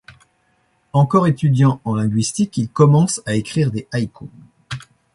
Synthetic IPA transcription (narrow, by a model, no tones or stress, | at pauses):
ɑ̃kɔʁet̪yd̪jɑ̃ɑ̃lɛ̃ɡɥist̪ikilkɔmɑ̃saekχiʁd̪eʔajkʰo